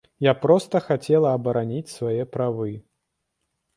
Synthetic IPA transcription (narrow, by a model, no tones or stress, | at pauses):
japɾɔst̪ɐxat͡sʲɛlˠɐːbɐɾanʲit͡sʲsvajɛpɾavɨ